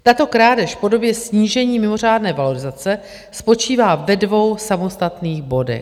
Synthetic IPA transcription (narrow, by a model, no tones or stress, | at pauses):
t̪at̪o̞kɾaːdɛʃfpo̞do̞bjɛsɲiːʒɛɲiːmɪmo̞r̝aːdnɛːvalo̞ɾɪzat͡sɛ | spo̞t͡ʃiːvaːvɛdvo̞wsamo̞st̪at̪niːɣbo̞dɛ̰x